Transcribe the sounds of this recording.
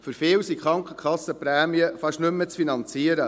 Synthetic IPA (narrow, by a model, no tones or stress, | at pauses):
fɵɾfɪːwsikχɾɑŋkχəkʰɑsəpɾæːmiəfɑʃnʏmːət͡sfinɑnt͡siəɾə